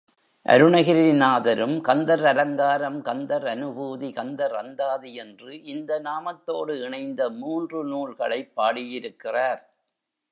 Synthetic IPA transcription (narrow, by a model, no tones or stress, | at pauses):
ʔɐ̰ɾɯɳɐɣɪɾinaːðɐɾɯmkɐnd̪ɐɾɐlɐŋɡaːɾɐmkɐnd̪ɐɾɐnɯbuːðikɐnd̪ɐɾɐnd̪aːðiɛndrɯʔɪnd̪ɐnaːmɐt̪ːoːɽɯɪɳɐɪnd̪ɐmuːndrɯnuːlɣɐɭɐɪpːaːɽijɪɾɯkːɪraːɾ